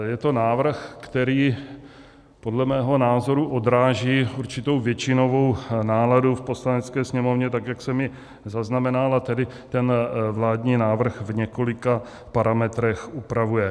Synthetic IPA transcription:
jɛt̪o̞naːvr̩xkt̪ɛɾiː | po̞dlɛmɛːɦo̞naːzo̞ɾuʔo̞d̪ɾaːʒiːuɾt͡ʃɪt̪o̞wvjɛt͡ʃɪno̞vo̞wnaːladufpo̞slanɛt͡skɛːsɲɛmo̞vɲɛt̪akjaksɛmɪ | zaznamɛnalat̪ɛdɪ | t̪ɛnvlaːdɲiːnaːvr̩xvɲɛko̞lɪka | paɾamɛt̪ɾɛxʔupɾavujɛ

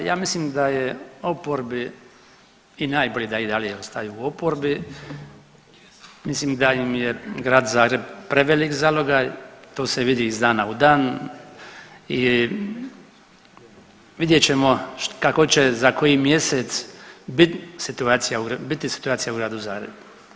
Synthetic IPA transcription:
jaːmislimd̪ajeo̞poɾbi | inaːjboʎid̪aid̪alijeost̪ajuuopoɾbi | mislimd̪ajimjeɡɾaːd̪zaːɡɾebpɾeʋelikzaloɡat̪oːseʋid̪iːzd̪aːnaud̪aːn | i | ʋid̪jet͡ɕe̞mo̞kako̞t͡ʃezako̞jimje̞set̪sbit̪sit̪uaːt̪sijauɡɾbit̪isi̥t̪uaːt̪sijauɡɾaːd̪uzaːɡɾḛbu

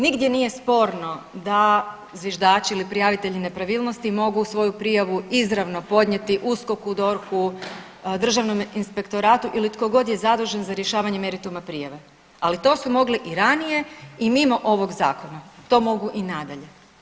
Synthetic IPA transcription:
niɡd̪je̞nije̞spo̞ɾno̞d̪a | zʋje̞ʒd̪aːt͡ʃiilipɾijaʋit̪e̞ʎine̞pɾaʋiːlˠno̞st̪imo̞ɡuːsʋo̞jupɾijaʋuizɾaʋno̞po̞d̪ɲe̞t̪iʔusko̞kud̪o̞ɾku | d̪r̩ʒaʋno̞minspe̞kt̪o̞ɾaːt̪uʔilit̪ko̞ɡo̞d̪je̞zad̪ɾuʒenzaɾje̞ʃaːʋaɲe̞me̞ɾit̪umapɾijaʋe | alit̪o̞ːsumo̞ɡliʔiɾanije̞imimo̞ʔo̞ʋo̞ɡza̰ːko̞nat̪o̞ːmo̞ɡuʔinad̪aʎe̞

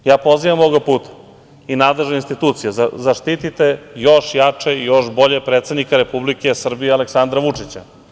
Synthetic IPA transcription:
jaːpo̞ziʋamoɡapuːt̪ḁ | inaːd̪leʒeinst̪it̪uːt̪sijazzaʃt̪it̪it̪e̞jo̞ʃjat͡ʂeijo̞ʃbo̞ʎepɾet̪sed̪nikaɾe̞publike̞sr̩bijealeksand̪ɾaʋut͡ʂit͡ɕa

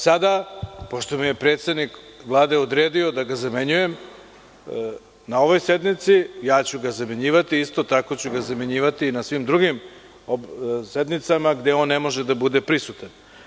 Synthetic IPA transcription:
sad̪apo̞ʃt̪omije̞pɾeːt̪sed̪nikvlˠaːd̪e̞od̪ɾeːd̪io̞d̪aɡazameɲuje̞m | nao̞ʋo̞jse̞d̪nit̪sijaːt͡ɕuɡazameɲiːʋat̪iist̪o̞t̪ako̞t͡ɕuɡazameɲiːʋat̪iːnasʋimd̪ɾuɡim | osed̪nit̪samaɡd̪eo̞ːnːemo̞ʒed̪abud̪e̞pɾisut̪an

